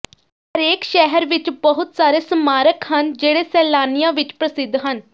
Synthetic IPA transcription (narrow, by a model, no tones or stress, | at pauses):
ɦəɾeːkʃɛɦəɾʋɪt͡ʃbəɦʊt̪saːɾeːsəmaːɾəkɦənd͡ʒeːɽeːsɛːlaːnijãːʋɪt͡ʃpɾəsɪd̪ʱːɦən